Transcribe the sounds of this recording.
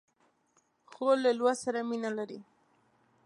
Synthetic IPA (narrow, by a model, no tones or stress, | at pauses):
xolːalwasaɾaminalaɾi